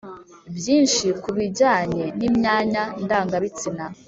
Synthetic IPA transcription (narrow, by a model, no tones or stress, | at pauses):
bjiːnʃikuβiɟaːɲe̞nimɲaːɲandaːŋɡaβit͡sina